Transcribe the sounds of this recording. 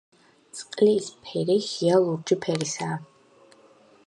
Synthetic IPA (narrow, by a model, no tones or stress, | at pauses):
t̪sʼqʼlispʰɛɾihialˠuɾd͡ʒipʰɛɾisaː